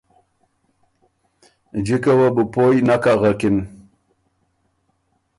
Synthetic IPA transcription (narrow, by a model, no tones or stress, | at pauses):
d͡ʑikawabupojnakaɣakin